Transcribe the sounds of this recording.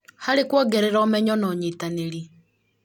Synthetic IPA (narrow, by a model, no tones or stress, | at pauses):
haɾekwɔːɡɛɾɛɾɔːmɛɲɔnɔɲitaneɾi